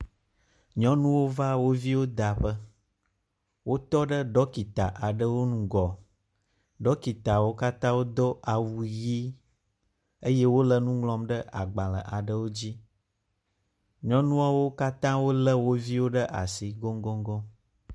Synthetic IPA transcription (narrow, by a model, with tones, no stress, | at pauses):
ɲɔ̃˦nũ˦wo˦va˦wo˦vi˦wo˦d̪a˨ɸə˦ | wʔo˦t̪ɔ˦ɖə˦ɖɔ˦ki˨t̪a̰˨ʔa˨ɖə˦wo˦nũ˨ɡɔ˨ | ɖɔ˦ki˨t̪a˨wo˦ka˦t̪ã˦wo˦d̪ɔ˦ʔa˨wu˨ji˦ | ə˦je˦wo˦lə˨nũ˦ŋlɔ̃˦mɖə˦ʔa˨ɡ͡ba˨lə̰˨ʔa˨ɖə˦wo˦d͡ʑi˦ | ɲɔ̃˦nũ˦a˦wo˦ka˦t̪ã˦wo˦lə˦wo˦vi˦wo˦ɖə˦ʔa˨si˨ɡɔ˦ŋɡɔ˦ŋɡɔ˦